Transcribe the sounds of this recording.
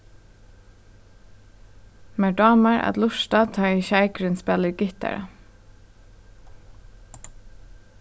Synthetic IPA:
meːɖɑːməɹʔɑ̰t̪lʊʃtɑːt̪ʰɑːiçæɪkɾʉnspɛləɾɡɪt̪æ̰ɹə̰

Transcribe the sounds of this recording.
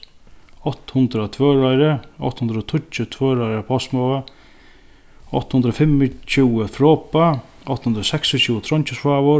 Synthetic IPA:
ɔht̪hʊnt̪ɾat̪ʰvœːɾaɾəɔ̰ht̪hund̪ɾɔt̪ʰʊt͡ʃət̪ʰvœːɾajɾəpʰɔsmɔə | ɔ̰ht̪hund̪ɾɔfɪmːɪt͡ɕuːəfɾɔːpa | ɔht̪ːhund̪ɾasɛksɔt͡ɕʰuːət̪ʰɾɔɲt͡ʃɪsfaːvʊ

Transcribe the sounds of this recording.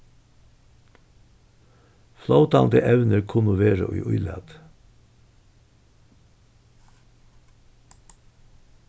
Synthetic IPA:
flɑʊt̪ɑnd̪əʔɛʋnəɾkʰʊnʊʋeːɾə̰ʔʏ̰ːʔʊʏlæ̰t̪

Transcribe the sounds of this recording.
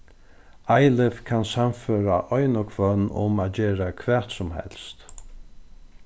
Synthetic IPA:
ajlɪfkʰansamføːɾaʔɔjnʊkʰvœnːʊ̰maːd͡ʒeːɾakʰvɛ̥ːt̪sʊmɦɛ̰lst̪

